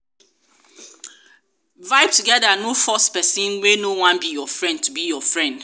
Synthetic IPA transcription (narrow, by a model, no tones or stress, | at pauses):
vaɪb̚tuɡɛdanofɔspɛsĩnwenowãnbijɔfɹɛ̃nd̚tʰubijɔfɹɛ̃nd